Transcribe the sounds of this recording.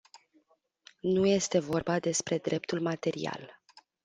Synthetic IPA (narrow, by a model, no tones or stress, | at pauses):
nuje̞st̪e̞vo̞rbad̪e̞spɾe̞d̪ɾe̞p̚t̪ulmat̪e̞ɾḭa̰l